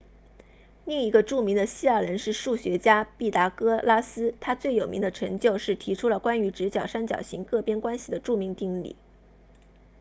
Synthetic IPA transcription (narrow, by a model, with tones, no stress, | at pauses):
li˥˩ŋi˧˥ɡə˧ʈ͡ʂu˥˩mi˧˥ŋd̪ə˧ɕi˥a˥˩ɻə˧˥nʂɻ̩˥˧ʂu˥˩ɕɥɛ˧˥t͡ɕja˥pi˥˩t̪a˧˥kɤ˥la˥sɹ̩˥t̪ʰa˥t͡swe˥˩ɪjo˨˩mḭ˧˥ŋd̪ə˧ʈ͡ʂʰɤ˧˥ŋt͡ɕjo˥˧ʊʂɻ̩˥˩t̪ʰi˧˥ʈ͡ʂʰu˥lə˨kwa˥ny˧˥ʈ͡ʂɻ̩˧˥t͡ɕjɑ˨˩ʊʂa˥nt͡ɕjɑ̰˨˩ʊɕḭ˧˥ŋkɤ˥˩pjɛ˥nkwa˥nɕi˨d̪ə˩ʈ͡ʂu˥˩mi˧˥ŋt̪i˥˧ŋlḭ˥˩˦